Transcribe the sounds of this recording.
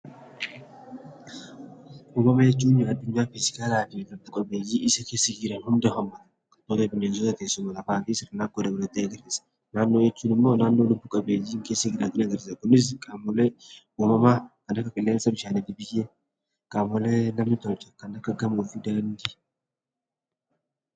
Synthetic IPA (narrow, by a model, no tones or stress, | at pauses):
ʔuːmɐmɐjɛt͡ʃːuːnɪɐd̪ːʊɲːaːfɪsɪ̥kaːlaːfɪrɐbʊkʼɐbeːjiːɪsɐkeːsːɐɡiːɾɐnhʊnd̪ɐhɐmːɐt̪ɐ | t̪oːt̪ɐbɪneːs̬ɔt̪ɐkeːsːʊmɐlɐfaːfisɪrɐnakːod̪ɐbʊlɐt̪ːeːɐɡɐɾɪsɐ̥ | naːnːoːjɛt͡ʃːuːnɪmːo̞ːnaːnːo̞ːlʊbbʊkʼɐbeːjiːŋkeːsːɐɡiːɾat̪ɪnɐɡɐɾsɐkʊnːɪs̬kʼamɔle | uːmɐmaːkɐnɐkːɐfʼɪlːeːnsɐbɪʃaːnɪd̪ɪbɪke | kʼaːmːɔleːnɐmnɪt̪ɔɾt͡ʃʼːɐ̥kɐnɐkːɐɡɐmuːfɪd̪ɐnd̪ɪ